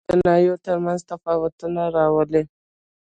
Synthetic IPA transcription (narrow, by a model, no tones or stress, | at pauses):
d̪ənɑjot̪əɾmanzt̪afɑwat̪unaɾɑwəle